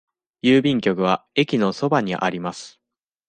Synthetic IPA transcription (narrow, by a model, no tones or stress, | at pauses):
jɯːbʲĩŋkʲo̞kɯ̟β̞ae̞kʲino̞so̞baɲ̟iʔa̰ɾʲimasɨ̥